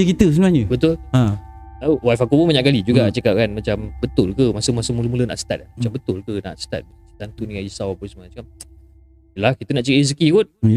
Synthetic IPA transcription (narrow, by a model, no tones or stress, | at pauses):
əkit̪əs̬əmnaɲəbət̪ʊlã | əwajfakupumaɲaʔkalid͡ʒuɡat͡ʃəkap̚kanmat͡ʃambət̪ʊlkəmasəmasəmuləmuləna̰ʔsə̥t̪a̰t̪̚amat͡ʃambət̪ʊlkəna̰ʔsə̥t̪a̰t̪̚ | t̪ant̪unikad͡ʒisawapəsmaat͡ʃkan | əlahkit̪ənaʔt͡ʃəkaʔis̬əkikʊt̚